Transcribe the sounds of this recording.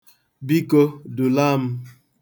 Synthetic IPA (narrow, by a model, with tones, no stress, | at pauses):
bi˦ko˦du˨la˦m̩˦